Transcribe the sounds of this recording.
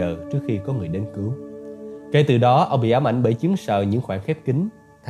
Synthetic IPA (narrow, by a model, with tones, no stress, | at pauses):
əː˨˩t͡ɕɨ˦˥ək̚xi˧kɔ˨˦ŋɨ˨˩əjɗe˧nkɨ˨˦w | ke˧˩t̪ɨ˨˩ɗɔ˨˦ʔə˧wŋ͡mɓḭ˧˨ʔaː˨˦wmʔa̰˧˨jŋ̟ɓəː˧˩jt͡ɕi˨˦əŋsəː˨˩ɲɨ̰˧˥ŋxwaː˧˩ŋxɛ˦˥p̚kï˨˦ŋ̟ | t̪ʰ